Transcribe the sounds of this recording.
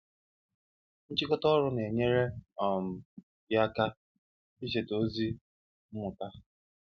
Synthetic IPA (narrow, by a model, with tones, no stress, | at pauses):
n̩˦t͡ʃɪ˦kɔ˦tɔ˦ɾʊ˦ne˨ɲe˦ɾe˦ɔ˨m̩˨ | ɡɪ˦a˦ka˦ | i˦ʃ̬e˨to˦zi˦ | m̩˦mʊ˨ta˦